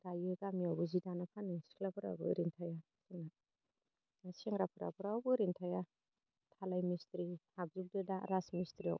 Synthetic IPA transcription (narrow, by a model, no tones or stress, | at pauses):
ɾajujɡamiawbuzidanapʰanisi̥klapʰuɾawbɯ̰ɾintʰaja | siŋa | seŋɾapʰuɾa̰pʰuɾawbuɾintʰaja | tʰalajmistɾihab̚zip̚dɯdaɾasmistɾiaw